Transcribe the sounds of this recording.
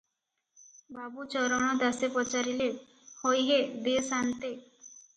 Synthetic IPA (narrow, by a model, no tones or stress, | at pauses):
babut͡ʃɔɾɔɽ̃ɔd̪asepɔt͡ʃaɾile | hojɦed̪esant̪e